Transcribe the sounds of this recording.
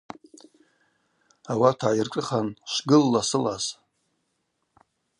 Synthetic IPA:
awatʰaːjirʈ͡ʂʼɨχanʃʷɡɨlːasɨlaz

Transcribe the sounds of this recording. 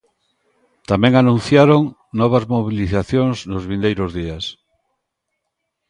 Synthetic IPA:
t̪amẽŋanũn̟θjaɾoŋ | nɔβ̞azmoβ̞iliθaθjoŋznʊzβĩnd̪ejɾʊzðias

